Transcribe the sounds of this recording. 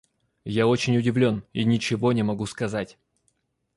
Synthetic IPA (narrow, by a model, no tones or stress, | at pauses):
jaot͡ɕɪnʲʊdʲɪvlʲo̞ninʲɪt͡ɕɪvo̞nʲɪmɐɡuskɐzatʲ